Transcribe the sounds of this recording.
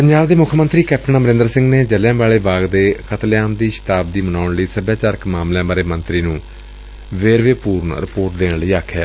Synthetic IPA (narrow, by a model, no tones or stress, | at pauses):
pəɲd͡ʒaːbd̪eːmʊkʰmənt̪ɾiːkɛːp̚ʰʈʰənaːməɾɪ̃nd̪əɾsɪ̃ŋɡneːd͡ʒəljãːbaːɭeːbaːɡd̪eːkʰət̪ljaːmd̪iːʃɪ̥t̪aːb̚d̪iːmənaːʊɳləiːsəbjaːt͡ʃaːɾəkmaːmljãːbaːɾeːmənt̪ɾiːnũː | ʋeːɾʋeːpuːɾnɾɪpoːɾʈ̚d̪eːnləiːaːkʰːjaː